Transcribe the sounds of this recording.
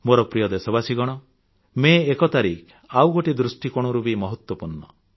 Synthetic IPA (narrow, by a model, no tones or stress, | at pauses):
moɾɔpɾijɔd̪esɔbasiɡɔɽ̃ɔ | meːkɔt̪aɾikʰ | awɡoʈid̪ɾusʈikoɽ̃ɔɾubimɔɦɔt̪wɔpuɾɳɔ